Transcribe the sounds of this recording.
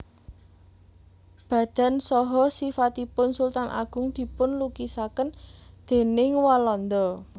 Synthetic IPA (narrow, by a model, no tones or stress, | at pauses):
b̥ä̤d̪̥a̤nsɔɦɔsifat̪ipʊnsult̪anʔa̰ɡ̥ʊ̤ŋd̪̥i̤pʊnlukisakənd̪̥e̤nɪŋwalɔnd̪ɔ